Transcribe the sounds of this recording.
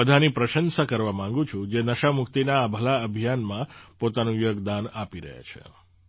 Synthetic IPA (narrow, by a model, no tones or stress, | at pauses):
əd̪ʱanipɾəʃənsakəɾʋamãŋɡũt͡ʃʰũd͡ʒenəʃamʊkt̪inaːbʱəlaəbʱijanmãpot̪anũjoɡd̪anapiɾə̰ɦja̰t͡ʃʰḛ